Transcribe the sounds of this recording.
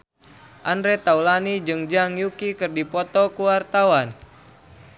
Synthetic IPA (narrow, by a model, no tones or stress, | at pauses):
ʔandɾɛt̪aulanid͡ʒɨŋd͡ʒaŋjukikɨrdipɔt̪ɔkuwart̪awan